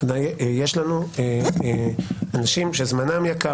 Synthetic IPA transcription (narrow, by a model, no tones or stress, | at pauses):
najjeʃlanue | anaʃimʃezmanamjaka